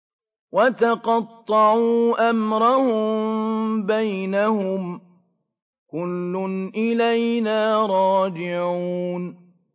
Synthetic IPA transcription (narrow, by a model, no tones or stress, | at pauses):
wat̪ɑqɑt̪ˤːɑʕuːʔamɾˤahʊmmbajnahʊm | kʊlːʊnʔɪlajnaːɾˤɑːd͡ʒɪʕuːn